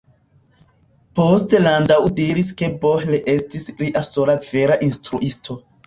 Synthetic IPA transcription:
po̞stelandawdiɾiske̞bohleʔe̞stisliʔaso̞lave̞ɾaʔinstɾuʔistʰo̞

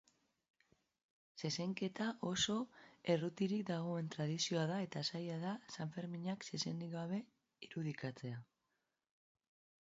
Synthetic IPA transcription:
se̞se̞ŋke̞t̪aʔo̞so̞e̞rut̪iɾik̚d̪aɣ̞o̞e̞nt̪ɾaðisio̞aðae̞t̪asajaðasaɱfe̞ɾmiɲaksese̞nd̪iɣaβ̞e̞ | iɾuðikat͡se̞a

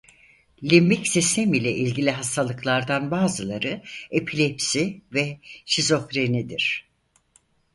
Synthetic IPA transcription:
lʲimbicsist̪ʰemilʲɛʔilʲɟilʲiɦast̪ʰalˠɯklˠaɾd̪anbaːzɯlˠaɾɯepʰilʲepsivɛʃizo̞fɾenid̪iɾ̝̥

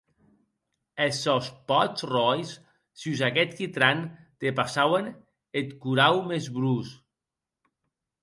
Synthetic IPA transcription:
esɔspɔt͡srɔjs | syzakɛt̪kit̪ɾant̪epasawen | et̪kuɾawmezβɾus

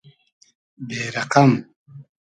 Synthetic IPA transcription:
beːɾaqam

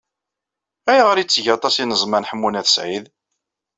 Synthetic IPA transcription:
æjʁəɾit͡sːʝɑt̪ˤɑsinəzˤmænħəmːunæθə̥sʕið

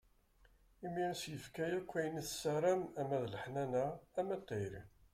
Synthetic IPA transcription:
iminæsjəfkæjækʷːæjəniθsəɾˤæmæmæðləħnænæːmæt̪ˤːeɾi

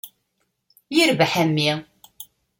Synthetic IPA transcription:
jiɾvħæmːi

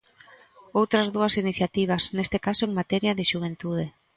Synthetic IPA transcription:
owt̪ɾɐzðuɐsiniθjat̪iβ̞ɐsnest̪ɪkasoeŋmat̪ɛɾjaðɪʃuβ̞ent̪uð̞e

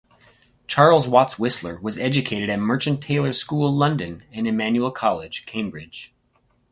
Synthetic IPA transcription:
t͡ʃʰɑɹlˠzwɑtswɪslə˞wʌzɛd͡ʒɨkʰeɪɾɨɾɨt̚mɜ˞t͡ʃɨ̃ntʰeɪlˠə̥˞skulˠlʌ̃ndɨ̃nɨ̃nɨmæ̃njul̩ˠkʰɑlˠɪd̥ʒ̥kʰẽɪ̃mbɹɪd̥ʒ̥

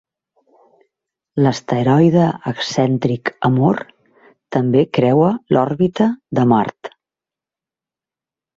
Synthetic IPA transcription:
ləst̪əɾɔjðəəksɛnt̪ɾikəmoɾ | t̪əmbekɾɛwəlʔɔɾβit̪əðəma̰rt̪

